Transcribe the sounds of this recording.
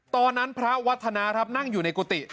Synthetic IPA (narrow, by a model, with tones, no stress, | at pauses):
t̪ɔː˧nːa˦˥npʰɾa˦˥wa˦˥t̪ʰːa˧naː˧kɾa˦˥p̚na˥˩ŋjuː˨˩na˧jku˧˩t̪i˨˩